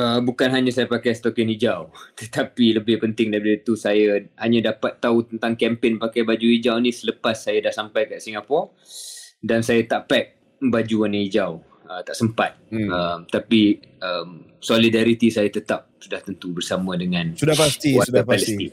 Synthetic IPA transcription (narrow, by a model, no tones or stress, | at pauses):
əbukanɦaɲasajəpakajst̪okɛnid͡ʒawt̪ət̪ʰapiləbɪhpənt̪ɪŋdaipaət̪usajahaɲãdapat̪ːaut̪ənt̪aŋkɛmpɪnpakajbad͡ʒuid͡ʒawnĩsələpasːajadahsampajkaʔsiŋɡapɔ | dansajat̪aʔpɛk̚ | əbad͡ʒuanə̃id͡ʒaw | ət̪aʔsəmpat̪̚əmt̪apiəm | solidaɾit̪isajat̪ət̪ap̚sudaht̪ənt̪ubərsamə̃dəŋãnsudaast̪iwaaaləst̪i